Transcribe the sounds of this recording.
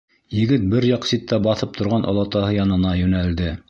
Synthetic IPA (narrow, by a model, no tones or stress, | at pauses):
jɘ̆ɡɘt̪̚bɘɾjɑqsit̪ːæbɑθɤp̚t̪ʰŏɾʁɑnʔo̰lˠɑt̪ɑhɤjɑnɤ̆nɑjɵ̆næld̪ɘ